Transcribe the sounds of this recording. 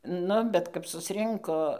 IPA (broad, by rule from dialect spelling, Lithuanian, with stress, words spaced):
ˈnʊ ˈbʲɛt kɐp sʊsʲˈrʲɪŋkoː